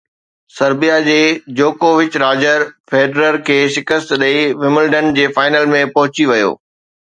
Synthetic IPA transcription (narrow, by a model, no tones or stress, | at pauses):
sɐɾbijad͡ʑeːd͡ʑoːkoːʋɪt͡ɕɾaːd͡ʑəɾfeːɖɾəɾkʰeːʃɪkəst̪ɗɐiʋɪmɪlɖənd͡ʑeːfaːɪnəlmẽpɐɦʊt͡ɕiʋɐjo̰ː